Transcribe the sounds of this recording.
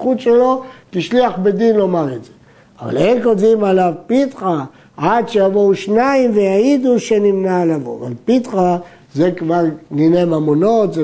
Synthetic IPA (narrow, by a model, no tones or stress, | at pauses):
utʃelo̞t̪iʃliaχbed̪inlo̞maʁetze | ava̰lenkodzimalavpit̪χa | ad̪ʃejavouʃnaimvejajid̪uʃenimnalavo̰a̰va̰lpit̪χa | zekvaʁninemamono̞t̪ze